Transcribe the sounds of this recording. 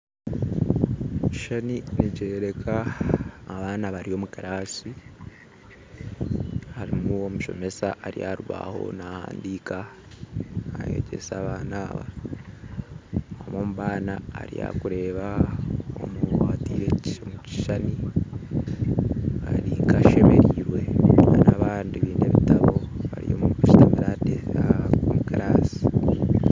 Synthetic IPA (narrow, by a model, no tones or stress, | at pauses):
ci̥ʃaniniɟeːɾekʰaː | βaːnaβaɾijo̞mukaɾaːsi | haɾimuomuʃo̞̰me̞saʔaɾijaɾuβa̰ho̞̰nahaːndiːka | aje̞̰ɟe̞̰saβaːnaːβa̰ | homomuβaːnaːɾija̰kuɾe̞ːβaomuatiɾeciomuci̥ʃani | haɾikaʃe̞me̞ɾiːɾwe̞anaβaːndiβiːndeβitaβo̞βaɾḭjo̰muiʃi̥tamiɾadeaomukaɾaːsi̥